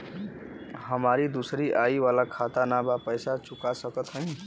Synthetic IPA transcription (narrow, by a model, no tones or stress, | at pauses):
ɦəmaɾid̪usɾiʔaiwalakʰat̪anabapəjsat͡ʃukasʌkʌt̪ɦʌ̃j̃